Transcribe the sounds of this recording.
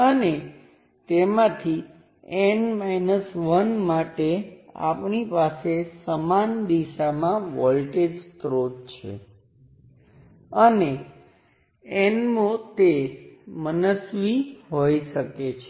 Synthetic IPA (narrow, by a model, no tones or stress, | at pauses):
əne | t̪emãt̪ʰi | enmainəsʋənmaʈea̰pɳipasesəmand̪iʃamãʋɔlʈed͡ʒtɾodt͡ʃʰḛ | əne | enmõt̪emənəsʋiɦojʃəket͡ʃʰe